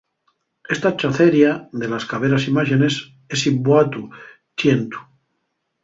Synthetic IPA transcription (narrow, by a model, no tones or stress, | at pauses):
e̞st̪at͡ʃaθeɾjaðe̞laskaβ̞eɾasimaʝene̞s | esibwat̪u | t͡ʃjent̪u̥